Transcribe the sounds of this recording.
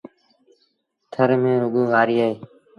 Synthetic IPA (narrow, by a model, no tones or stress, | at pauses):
t̪ʰəɾmẽːɾʊɠuːʋaːɾiːaːɦeː